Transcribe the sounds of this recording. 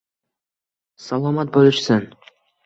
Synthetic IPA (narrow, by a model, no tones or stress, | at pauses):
sɑlˠɑmɑt̪̚bolˠʏʃsən